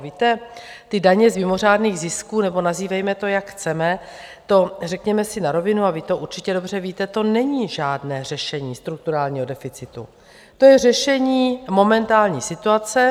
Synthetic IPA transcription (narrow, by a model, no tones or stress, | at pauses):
viːt̪ɛ | t̪ɪdaɲɛzmɪmo̞r̝aːdniːɣzɪskuːnɛbo̞naziːvɛjmɛt̪o̞jakxt͡sɛmɛ | t̪o̞rɛkɲɛmɛsɪnaɾo̞vɪnuavɪt̪o̞ʔuɾt͡ʃɪcɛdo̞br̝ɛviːt̪ɛt̪o̞nɛɲiːʒaːdnɛːr̝ɛʃɛɲiːst̪ɾuk̚t̪uɾaːlɲiːɦo̞dɛfɪt͡sɪt̪ṵ | t̪o̞jɛr̝ɛʃɛɲiːmo̞mɛnt̪aːlɲḭːsɪt̪uat͡sɛ